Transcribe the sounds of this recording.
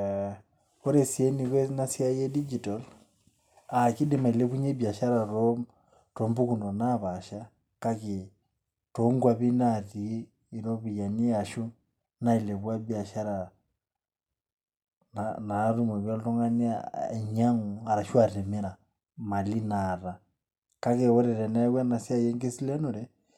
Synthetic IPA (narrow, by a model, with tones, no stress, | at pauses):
ɔ˦ɾɛ˨si˨ɛ˦ni˨kwɛ˦na˦si˦a˦jɛ˦di˦d͡ʒi˨tal | a˨ki˦dɛ˦ma˨i˨lɛ˦ku˦ɲɛ˦bja˨ʃa˦ɾa˨ɾɔm | tɔ˦mbu˦ku˨nɔ˨na˦βa˨ʃa˦ | ka˦ki˨ | tɔŋɡwa˨βi˦naðiː˨˦˨ | ɾɔ˦βi˨ja˨ni˦a˨ʃu˦ | na˦i˨lɛ˨βwa˦bi˦a˨ʃa˦ɾa˨ | nana˨˦ɾu˦mɔ˨βja˦lɔ˦tɔ˦ŋɡa˦ni˦a̰ɛ˨ɲa˦ŋu˨a˨ɾa˨ʃu˦a˨ɾɛ˨mɛ˦ɾa˨ | ma˨li˦na˨ɾa˨ | ka˦kɛ˨ɔ˦ɾɛ˨ɾɛ˨na˦wa˦na˨si˦a˦jɛ˦ŋɡɛ˦si˦lɛ˦nɔ˨ɾɛ˦